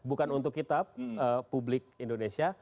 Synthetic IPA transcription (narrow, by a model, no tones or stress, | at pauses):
bukanunt̪ʊkːit̪ap̚əːublɪk̚indonesia